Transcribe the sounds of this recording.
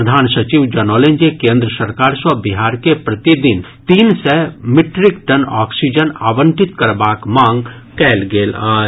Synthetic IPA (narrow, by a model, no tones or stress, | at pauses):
ɾəd̪ʱaːnsət͡ʃiʋd͡ʒɐnoːlẽnd͡ʒekẽːnd̪ɾəsəɾkaːɾswəbiɦaːɾkepɾɐt̪id̪ɪn | t̪iːnsemɪʈɾɪkʈənaːksid͡ʒəna̰ːʋə̃ɳʈɪt̪kɐɾbaːkmãːŋɡ | kɛːlɡeːlaː